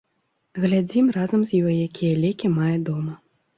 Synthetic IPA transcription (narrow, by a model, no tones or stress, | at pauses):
ɣlʲad͡zʲimrazɐmzʲjɔjjakʲʰijɐlʲɛkʲimajɐd̪ɔmɐ